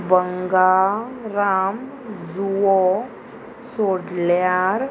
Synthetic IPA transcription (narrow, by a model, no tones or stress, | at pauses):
bəŋɡaɾam | d͡zuo | soɽljaɾ